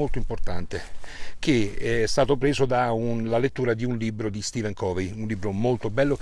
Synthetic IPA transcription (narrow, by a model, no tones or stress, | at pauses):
olt̪oimport̪a̰nt̪ek̟eɛɛst̪aːt̪opɾeːzod̪aunlalet̪ːuːɾad̪iunlibːɾod̪ist̪iːvɛŋkʰɔvejunlibːɾomolt̪obɛlːo